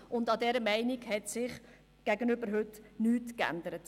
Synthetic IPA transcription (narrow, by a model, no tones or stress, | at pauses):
ʊndɑdɛɾəmɛɪniɡhɛtsɪχ | ɡ̥æɡənʏbəɾɦɵtnyːtkæ̰ndəɾət